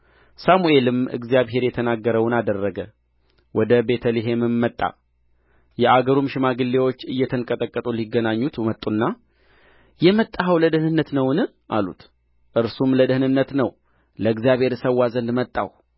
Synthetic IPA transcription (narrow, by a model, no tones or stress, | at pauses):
samue̞lɨmɨ̰ɡzjaβɦe̞ɾjɛt̪ʰənaɡːəɾəwnad̪ərːəɡə | wɔd̪əbe̞t̪ʰəliɦemɨmːət̪ʼːa̰ | jɛaɡəɾumʃɪmaɡɨlːe̞wo̞t͡ʃːɨjːɛt̪ʰənkʼət̪ʼəkʼːət̪ʼuliɡːənaɲːut̪mət̪ʼːunːa | jɛmət̪ʼːaɦəwləd̪ɨhnɨnːət̪nəwnɨ | ʔa̰lṵt̪ | ʔɨɾsumləd̪əhnɨnːət̪nəw | ləɨɡzijaβhe̞ɾsəwːazənd̪mət̪ʼːaw